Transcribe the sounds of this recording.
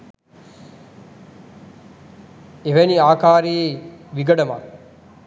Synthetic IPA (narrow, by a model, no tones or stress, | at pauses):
eʋæniaːkaːɾijeʋiɡəɖɐma̰